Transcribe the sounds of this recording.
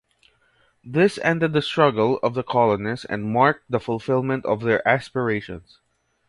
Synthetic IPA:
ðɪsɛ̰̃nd̪ɛd̪̚ðəst̪ɹʌɡəlˠɔvðəkʰɔlɔnɪsɛ̰̃nd̚maɹk̚t̪̚d̪əfʊlˠfɪlˠmɛ̃nt̪ɔvðɛɹʔæspəɹeɪʃɔ̰̃ns

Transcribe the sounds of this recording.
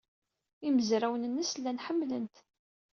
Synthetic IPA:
iməzɾæwənənːəslːænħəmːlənt̪

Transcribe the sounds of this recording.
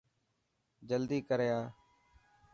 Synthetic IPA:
d͡ʒəld̪iːkəɾjaː

